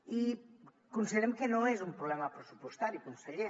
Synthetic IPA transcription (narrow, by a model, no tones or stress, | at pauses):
i | kunsiðeɾemkenoezumpɾulɛmapɾesupust̪aɾikunseʎe